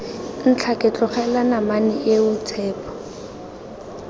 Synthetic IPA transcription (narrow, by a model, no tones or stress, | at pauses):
n̩t͡ɬʰakʼɪt͡ɬɔχɛlanamanɪʔeʊt͡sʰɛːpʰɔ̥